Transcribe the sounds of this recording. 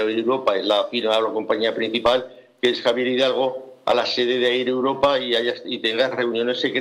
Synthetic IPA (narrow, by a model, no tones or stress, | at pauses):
aiɾewɾo̞paezlafiɾmaolako̞mpaɲiapɾĩn̟θipal | keesxaβje̞ɾiðalɣ̞o̞a̰lase̞ðeðeaiɾewɾo̞paiaʝasit̪e̞ŋɡasre̞unjõ̞ne̞sːe̞kɾ